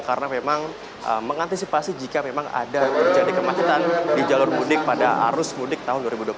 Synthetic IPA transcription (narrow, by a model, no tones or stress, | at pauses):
kaɾənamemaŋ | ʔə̰mːəŋant̪isipasid͡ʒikamemaŋa̰dad͡ʒadikəmat͡ʃut̪andid͡ʒalʊrmudɪk̚padaʔa̰ɾʊsmudɪk̚t̪aɦʊnduaɾibudwap